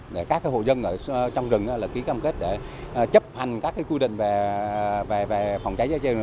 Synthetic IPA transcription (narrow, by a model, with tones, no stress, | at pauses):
ɗe˧˩kaː˦˥kaː˨˦jɦo̰˧˨zə˧nʔəː˧˩˧t͡ɕɔ˧wŋ͡mzɨ˨˩ŋʔaː˨˦laː˨˩ki˨˦kaː˧mke˦˥t̚ɗe˧˩˨t͡ɕə˦˥p̚ha˨˩jŋ̟kaː˦˥kːaː˨˦kwi˧ɗḭ˧˨ŋ̟ve˨˩ve˨˩ve˨˩fa˧˩wŋ͡mt͡ɕa˨˦jzaː˨˦t͡ɕə˧